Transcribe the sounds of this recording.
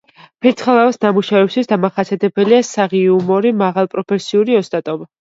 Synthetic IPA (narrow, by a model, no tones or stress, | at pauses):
pʰɛt̪sʰχɛlˠavasnamuʃavɛpst̪ʰisd̪amaχasʰiat̪ʰɛbɛliasaʁiumɔɾimaʁalˠpʼɾɔpʰɛsiuɾiɔst̪ʼat̪ʼɔba